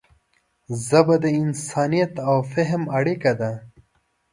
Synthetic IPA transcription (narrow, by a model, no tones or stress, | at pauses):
zabɐd̪əɪnsɑːnijɐt̪awfeɦmaɽikad̪a